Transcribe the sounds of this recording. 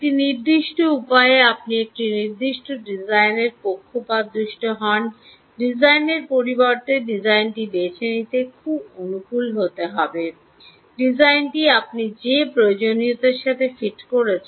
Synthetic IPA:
eʈiniɾd̪iʃʈoupajeap̚niek̚ʈiniɾd̪iʃʈoɖid͡ʑajneɾpokʰːopad̪ɾuʃʈoɦɔn | ɖid͡ʑʱajneɾpoɾibɔɾt̪eɖid͡ʑajnʈibet͡ɕʰenit̪ekʰubonukulɦot̪eɦɔbe | ɖid͡ʑajnʈiap̚nid͡ʑepɾojod͡ʑoniot̪eɾʃat̪ʰefiʈkoɾet͡ɕʰ

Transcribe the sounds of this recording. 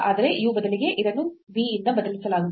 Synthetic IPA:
aːd̪ɐɾe̞ʔiʋubɐd̪ɐliɡe̞ʔiɾɐnːuʋiːind̪ɐbɐd̪ɐlisɐlaːɡu

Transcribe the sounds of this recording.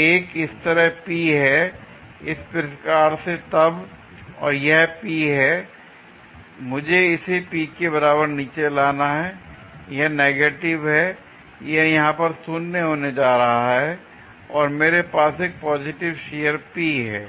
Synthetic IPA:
eːkɪst̪əɾəɦpiːɦɛ | ɪspɪɾʃkaːɾset̪ɐb | ɔ̰ːɾjɐɦpiɦɛː | mʊd͡ʒʱeɪsepiːkebɐɾaːbəɾniːt͡ʃelaːnaɦɛ | jɐɦneːɡeːʈɪʋɦɛ | jeɦjɐɦãpɐɾsʊnːeɦoːned͡ʒaːɾɐɦaɦɛ | ɔːɾmeːɾepaːseːk̚pɔːzɪʈɪʋʃeːjəɾpiːɦɛː

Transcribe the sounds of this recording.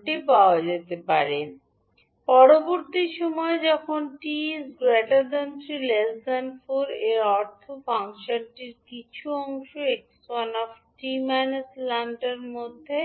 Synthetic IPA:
ʈipaoad͡ʑet̪epaɾen | pɔɾoboɾt̪iʃɔmɔed͡ʑɔkʰonʈisɡɾɛʈad̪ant̪ɾilesd̪anfoɾeɔɾt̪ʰobaŋʃaɾʈiɾkit͡ɕʰuɔŋʃoekswanɔfʈimaneslanʈaɾmod̪ʱːe

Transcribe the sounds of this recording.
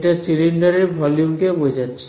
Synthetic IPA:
ʈasiliɳɖaɾiɾbʱɔljumkebod͡ʑatːɕʰi̥

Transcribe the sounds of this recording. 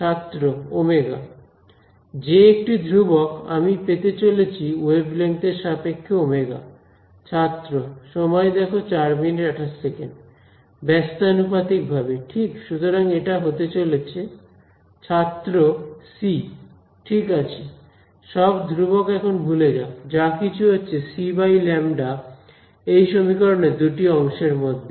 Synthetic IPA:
t͡ɕʰat̪ːɾoomeɡa̰ | d͡ʑeek̚ʈid̪ʱɾuboka̰mipet̪et͡ɕolet͡ɕʰiwebleŋkʈ̪eɾʃapekʰːoomeɡa̰ | t͡ɕʰat̪ːɾoʃɔmɔed̪ɛkʰot͡ɕaɾmineʈaʈʰaʃsekeɳɖ | bɛst̪anupat̪ik̚bʱabeʈʰikʃut̪oɾaŋeʈaɦot̪et͡ɕolet͡ɕʰe | t͡ɕʰat̪ːɾosi | ʈʰikat͡ɕʰe | ʃɔbd̪ʱɾubokɛkʰonbʱuled͡ʑaod͡ʑakit͡ɕʰuɦotːɕʰesibajlɛmɖa | ejʃomikɔɾoned̪uʈiɔŋʃeɾmod̪ʱːe

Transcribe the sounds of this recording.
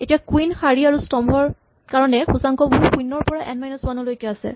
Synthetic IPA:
etiakwinxaɹiaɹustɔmbʱɔɹ | kaɹɔnɛxusaŋkɔbɔɦukuinɔɹpɔɹaʔɛnmajnɔsmanɔlojkɛasɛ̰

